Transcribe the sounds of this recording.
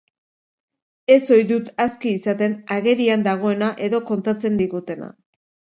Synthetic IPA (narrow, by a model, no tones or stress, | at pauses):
e̞so̞jðut̪askiːsat̪e̞naɣe̞ɾiand̪aɣ̞o̞e̞naʔe̞ðo̞ko̞nt̪at͡se̞nd̪iɣut̪e̞na̰